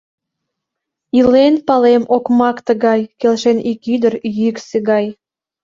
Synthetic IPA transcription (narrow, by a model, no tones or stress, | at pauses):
ilenpɑlemʔokmɑkt̪ə̆ɣɑjkelʃenikyd̪ərjykseɣɑj